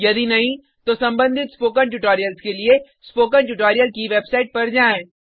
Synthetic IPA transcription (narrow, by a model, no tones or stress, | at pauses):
jɐd̪inɐɦĩ | t̪osɐ̃mbə̃nd̪ʱɪt̪spoːkə̃nʈʊʈoːɾijəlskelie | spoːkə̃nʈʊʈoːɾijəlkiʋeːbsaːɪʈ̚pɐɾd͡ʒaːẽː